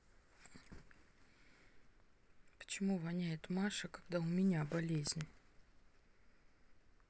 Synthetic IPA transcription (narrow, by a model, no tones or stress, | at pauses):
pə̥t͡ɕɪmuvɐnʲajɪt̪maʂəkaɡd̪aʊmʲɪnʲabɐlʲezʲnʲ